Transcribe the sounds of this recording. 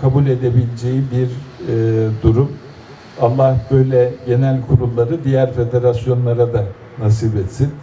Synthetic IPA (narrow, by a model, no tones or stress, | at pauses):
kʰabulʲe̞d̪ebilʲed͡ʒejibiɾ | d̪uɾum | alˠːahbø̞jlʲɛɟe̞nælʲkʰuɾullːˠaɾɯd̪ijæɾfe̞d̪e̞ɾasjo̞nlˠaɾad̪a | nasiːbɛt̪sin